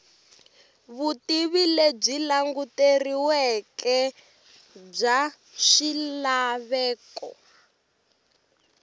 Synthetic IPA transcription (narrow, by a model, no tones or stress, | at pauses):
βutiβileb͡ʐilaŋɡuteriwɛkɛ | b͡ʐa | ʃilaβɛːkɔ̰